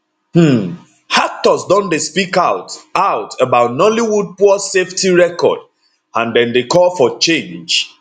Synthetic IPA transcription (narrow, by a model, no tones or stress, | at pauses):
hm̩ | hak̚tɔsdɔ̃ndespikaʊtaʊtəbaʊtnɔliwud̚pɔɔseftiɹɛkɔ̰d | ãndɛ̃ndekɔlfɔt͡ʃẽnd͡ʒ